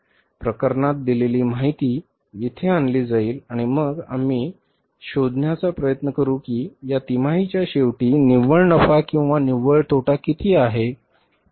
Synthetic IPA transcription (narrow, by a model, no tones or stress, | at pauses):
pɾəkəɾɳat̪̚d̪ileliːmaɦit̪iː | jet̪ʰeanliːd͡zaiːlaɽ̃iməɡa̰m̤iː | ɕod̪ʱnjat͡sapɾəjət̪nəkəɾuːkiːjat̪im̤aɦit͡ɕjaɕeʋʈiːniʋəɭnəfakĩw̃ʋaniʋəɭt̪ʰoʈakit̪ʰiːaɦe